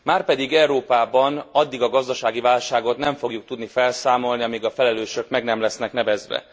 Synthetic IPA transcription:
maːrpɛd̪iɡɛuɾoːpaːbɒnɒd̪ːiɡɒɡɒzd̪ɒʃaːɡivaːlʃaːɡo̞t̪nɛɱfo̞ɡjuk̚t̪ud̪nifɛlsaːmo̞lniɒmiɡɒfɛlɛløːʃø̞kmɛɡnɛmlɛsnɛknɛvɛzʋɛ̰

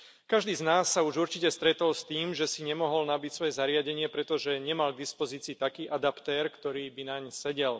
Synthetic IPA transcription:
kaʒd̪iːznaːsːauʒuɾt͡ʃicɛst̪ɾɛt̪ɔlst̪iːmʒɛsiɲɛmɔɦɔlnabicsʋɔjɛzaɾɪaɟɛɲɪɛpɾɛt̪ɔʒɛɲɛmalɡ̚d̪ispɔziːt͡siːt̪akiːʔad̪apt̪ɛːɾkt̪ɔɾiːbinaɲsɛɟɛl

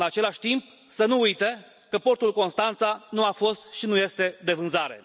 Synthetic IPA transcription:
nat͡ʃe̞laʃʲt̪imp̚ | sənuujt̪e | kəpo̞rt̪ulko̞nst̪ant̪sanuafo̞st̪ʃinuje̞st̪e̞d̪e̞vɨnzaɾe̞̰

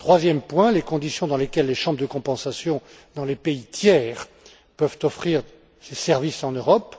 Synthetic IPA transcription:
t̪χwazjɛmpwɛ̃lekɔ̃d̪isjɔ̃d̪ɑ̃lekʲɛlːeʃɑ̃bʁd̪əkɔ̃pɑ̃sasjɔ̃ | d̪ɑ̃lepeit̪jɛːʁ | pœvt̪ɔfχiʁ | sesɛʁvisɑ̃nøʁɔp

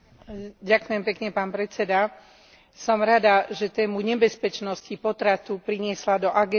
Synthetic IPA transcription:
ɟakʊjɛmpɛkɲɛpaːnpɾɛt͡sɛd̪a | sɔmɾad̪aʒɛt̪ɛːmuɲɛbɛspɛt͡ʃnɔscipɔt̪ɾat̪upɾiɲɪɛslad̪ɔʔaɡɛ

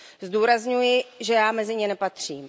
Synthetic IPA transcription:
zduːɾazɲujɪʒɛjaːmɛzɪɲɪnɛpat̪r̝̥iːm

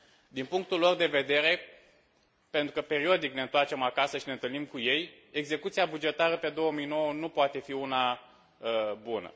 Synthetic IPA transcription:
d̪inpuŋk̚t̪ulːo̞rd̪e̞ve̞d̪e̞ɾe̞ | pe̞nt̪ɾukəpe̞ɾiod̪ikneɨnt̪art͡ʃe̞makasəʃinent̪ɨlnimkuje̞j | e̞ɡze̞kut̪siabud͡ʒe̞t̪aɾəpe̞d̪o̞wəmijno̞wənupoat̪e̞fiuna | əbunə̰

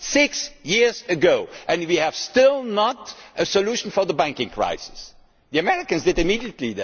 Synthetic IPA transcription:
sɪksjɪɹzɨɡoʊʔɨ̃nwiɨv̥stɪlˠnətɨsəluʃn̩fə˞ðəbæ̃ŋkɪ̃ŋkʰɹ̥a̰ɪsɪ̥s | ðiɨmɛɹɪkɨ̃nzdɨdɨmidiɨtˡlið

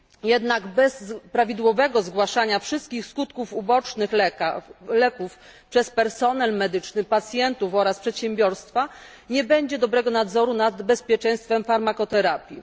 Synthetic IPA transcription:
jɛd̪naɡbɛzpɾavʲid̪wɔvɛɡɔzɡwaʂaɲafʂɘst̪̚kʲixskut̪kufubɔt͡ʂnɘx | lɛkuf | pʂɛspɛɾsɔnɛlmɛd̪ɘt͡ʂnɘpat̪sʲjɛnt̪ufɔɾaspʂɛt̪ɕɛmbʲjɔɾst̪fa | ɲɛbɛɲd͡ʑɛd̪ɔbɾɛɡɔnad̪zɔɾunad̪bɛspʲjɛt͡ʂɛ̃j̃st̪fɛmfaɾmakɔt̪ɛɾapʲji

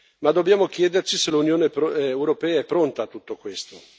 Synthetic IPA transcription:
mad̪ːobjaːmok̟jɛːd̪ert͡ʃiselunjoːnepewɾopɛːaɛpːɾont̪aːt̪ːut̪ːokwest̪o

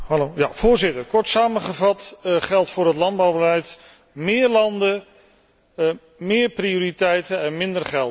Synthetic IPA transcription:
hɑloja̰v̥ʊːɹzɪtəɹkɔɹtsaːməχəvɑtχɛlˠtfʊːɾɦətlɑnd̚bɑwbəlɛjt | mɪːɹlɑndə | mɪːɹpriʊːɾitɛjtəɛnmɪndərχɛlˠt

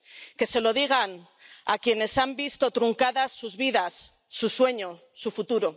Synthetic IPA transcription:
ke̞se̞lo̞ðiɣ̞an | akje̞ne̞sambist̪o̞t̪ɾuŋkaðasːuzβiðasː | uswe̞ɲo̞ | sufut̪uɾo̞

